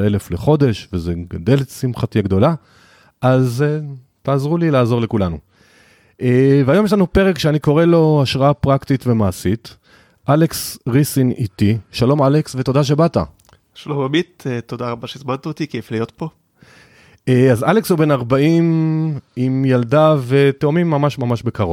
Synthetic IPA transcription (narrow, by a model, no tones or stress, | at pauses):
e̞lefleχo̞d̪e̞ʃvezeɡad̪e̞lsimχatiaɡd̪o̞la | ʔaze | taːzʁulilaːzo̞ʁle̞kulanu | eveajo̞mjeʃ̬lanupeʁekʃeaniko̞ʁelo̞aʃʁaapʁaktit̪ve̞maːsit | ʔaleksʁisinḭt̪iʃalo̞maleksveto̞daʃ̬e̞bata̰ | ʃalombamit̪et̪od̪aʁabaʃeizmant̪aot̪ikieflijo̞t̪po̞ | eazalekshube̞naʁbaim | imjaldave̞teomimːamaʃmamaʃbekaʁo